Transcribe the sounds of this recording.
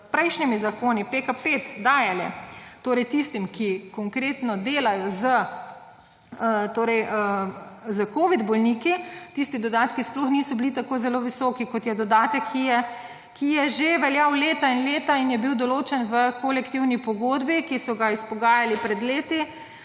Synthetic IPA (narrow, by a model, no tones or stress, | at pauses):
pɾɛjʃnimizakoːnipekapeːt̪d̪aːjalɛ̰t̪oːɾɛjt̪ist̪imkikɔŋkɾeːt̪nɔd̪eːlajɔzə | ət̪oːɾɛjəzəkoːʋid̪bɔlniːkit̪ist̪id̪ɔd̪aːt̪kisplɔxnisɔbilit̪akoːzɛloʋisɔːkikɔt̪jɛd̪ɔd̪aːt̪əkʰːijɛ | kʰijɛʒeʋɛljawleːt̪ainleːt̪ainjɛbiwd̪ɔloːt͡ʃɛnʋəkolɛkt̪iwnipɔɡoːd̪bikisɔɡaispɔɡaːjalipɾɛd̪leːt̪i